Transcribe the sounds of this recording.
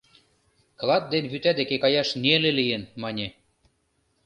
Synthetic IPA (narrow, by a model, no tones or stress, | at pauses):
klˠɑt̪̚d̪enβyt̪æd̪ekekɑjɑʃnielelijenmɑnʲe